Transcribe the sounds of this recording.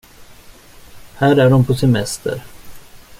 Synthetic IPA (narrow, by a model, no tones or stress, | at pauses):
hæːɾæɖɔmpʰɔsɛmɛst̪ə̰ɾ